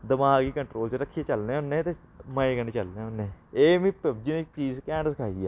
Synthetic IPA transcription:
d̪əmaːɡiːkəɳʈɾoːlt͡ʃɾəkʰːiet͡ʃəlneːɦʊneːt̪eː | məeːkəneːt͡ʃəlneːɦʊnːeːeːmĩːpəb̚d͡ʒiːnek̚t͡ʃiːzkɛ̃ːɳɖsɪkʰaːiaː

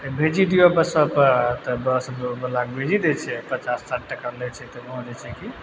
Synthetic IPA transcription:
bʱed͡ʒid̪ijobəsəpəɾt̪ɔbəsəd̪obəlakbʱed͡ʒid̪ɛt͡ʃʰɛpət͡ʃassaʈ̚ʈəkalɛt͡ʃʰɛt̪ɔbɔɦõd͡ʒɛt͡ʃʰɛki

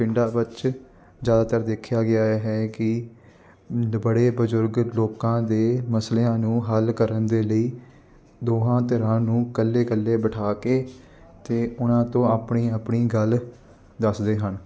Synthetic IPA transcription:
pɪɳɖaːbɪt͡ʃ | zjaːd̪aːt̪əɾd̪eːkʰjaːɡɪaːɦɛːkɪ | bəɽeːbəzʊɾɡloːkãːd̪eːməsleːãːnũːɦəlkəɾənd̪eːləiː | d̪oːɦãːt̪əɾãːnũːkəlːeːkəlːeːbəʈʰaːkeː | t̪eːʊnãːt̪õːaːpɳiːaːpɳiːɡəl | d̪əsd̪eːɦən

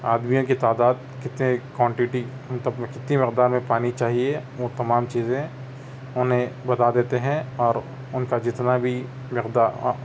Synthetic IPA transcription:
a̰ːd̪mijõkit̪aːd̪aːd̪̚ | kɪt̪nẽkwãːɳʈɪʈi | mɐt̪ləbkɪt̪nimɪqd̪aːɾmẽpaːnit͡ʃaːɦieʋot̪ɐmaːmt͡ʃiːzẽ | ʊnɦẽbɐt̪ad̪eːt̪eɦɛ̃ɔːɾ | ʊnkad͡ʒɪt̪nabʱi | mɪqd̪aːɾ

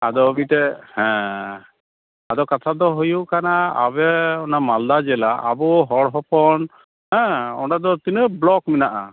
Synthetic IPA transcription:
ad̪ɔbitɛhɛ̃ | ad̪ɔkat̪ʰad̪ɔɦujukanaa̰βɛɔnamald̪ad͡ʒɛlaʔa̰bɔɦɔɽɦɔpɔn | ɦɛ̃ɔ̰ʈad̪ɔt̪inəblɔkminaʔa̰

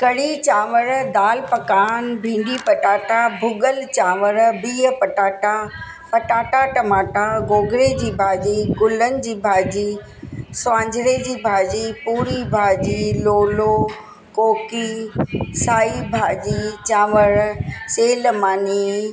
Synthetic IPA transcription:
kɐɽit͡ɕaːʋəɾd̪aːlpɐkaːnbʱĩːɳɖipɐʈaːʈabʱʊɡəlt͡ɕaːʋəɾbiːɦəpɐʈaːʈa | pɐʈaːʈaʈɐmaːʈaɡoːɡɾed͡ʑiːbʱaːd͡ʑiːɡʊlənɪ̆d͡ʑiːbʱaːd͡ʑiː | sʋãːɲd͡ʑʱɽed͡ʑiːbʱaːd͡ʑipuːɾibʱaːd͡ʑiːloːlo | koːki | saːibʱaːd͡ʑiːt͡ɕaːʋəɾseːlmaːniː

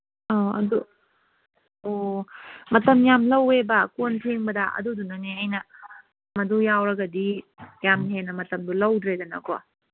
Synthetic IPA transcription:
oɐ̰du | o | mɐtɐmjamlɐwebɐkonpʰiŋbɐdɐʔɐ̰dudunɐneɐjnɐ | mɐdujawɾɐɡɐdijamɦenɐmɐtɐmdulɐwdɾedɐnɐ̰ko̰

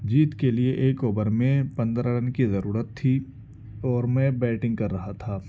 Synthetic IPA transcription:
d͡ʒiːt̪kelieʔeːkoːbəɾmẽpɐ̃nd̪ɾaɖənkizɐɾuːɾət̪ʰːi | ɔːɾmɛ̃bɛːʈɪ̃ŋɡ̚kɐɾːɐɦat̪ʰaː

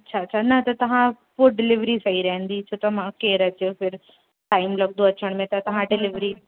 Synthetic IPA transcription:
ɐtːɕʰaːt͡ɕʰanɐt̪ɐt̪ɐʋ̤ã | poːɖɪlɪʋɾisɐɦiɾɐɦə̃nd̪it͡ɕʰoːt̪ɐmãkeːɾɐt͡ɕefɪɾ | ʈaːɪmlɐɡnd̪oɐt͡ɕəɽ̃mẽt̪ɐt̪ɐʋ̤ãɖɪlɪʋɾi

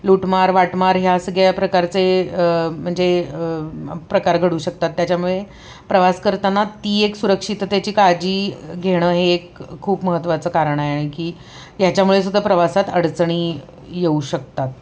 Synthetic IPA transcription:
luʈmaɾʋaʈmaɾɦjaəsəɡʱejapɾəkaɾt͡se | m̤əɳd͡ze | pɾəkaɾɡʱəɽuːɕək̚t̪at̪ːjat͡ɕjamuɭe | pɾəʋaskəɾt̪anat̪iːeksuɾəkʂit̪t̪jat͡ɕiːkad͡ʑiːɡʱeɽ̃əːɦeːkʰːuːpməɦət̪ːʋat͡səːkaɾəɳ̃əeaɽ̃ikiː | jat͡ɕjamuɭes̬ud̪ʱapɾəʋasat̪əɽt͡sɳ̃iː | jeuɕək̚t̪at̪̚

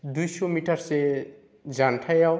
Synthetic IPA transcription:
d̪ujsɔmiʈaɾse | zanʈʰajaw

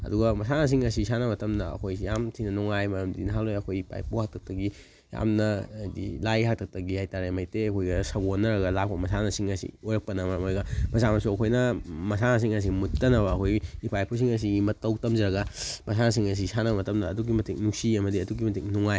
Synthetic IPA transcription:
ɐ̰duɡɐmɐsanɐs̬iŋɐsisanɐmɐtɐmdɐɐ̰kʰojsijamtʰinɐnuŋajmɐɾɐmdḭnɐɦaklojɐkʰojipa̰jpʰuhak̚tʰɐk̚tɐɡi | ja̰mnɐjdḭlajɦak̚tʰɐk̚tɐɡihajtaɾemajteɐkʰojɡɐsɐɡonːɐɾɐɡɐlap̚kɐmɐsanɐsiŋɐsḭojɾɐk̚pɐnɐmɐɾɐmojɡɐmɐsamɐsuɐkʰojnɐmɐsanɐs̬iŋɐs̬imutːɐnɐbɐːkʰojiːpajpʰus̬iŋɐs̬iɡimɐtːɐwtɐmzɐɾɐɡɐmɐs̬anɐs̬iŋɐs̬isanɐbɐmɐtɐmdɐːduɡimɐtʰiŋnuk̚siɐmɐdiɐduɡimɐtiŋnuŋaj

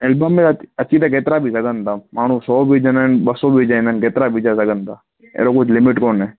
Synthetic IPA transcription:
elbəmeət͡ʃʰiːt̪akeːt̪ɾabʱisəɡənt̪aːmaːɳ̤ũːsɔːbʱiːd͡ʒənənɓəsoːbʱid͡ʒaĩnənkeːt̪ɾaːbʱiːd͡ʒasəɡənt̪aː | ḛːɾokʊt͡ʃʰlɪmɪʈkoːnɦɛː

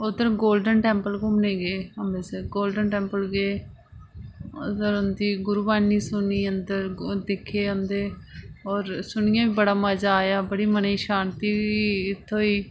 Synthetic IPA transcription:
ʊd̪əɾɡoːlɖənʈɛ̃ːmpəlkʊmneːɡeːənd̪eːseɡoːlɖənʈɛ̃ːmpəlɡeː | ʊd̪əɾʊnd̪iːɡʊɾuːbaːniːsʊniːənd̪əɾd̪ɪkʰːeːə̃nd̪eː | ɔːɾsʊɳ̃ɪjãːʋiːbəɽaːməd͡ʒaːjaːbəɽiːməneiːʃaːnt̪iːʋiɪt̪ʰːõːiː

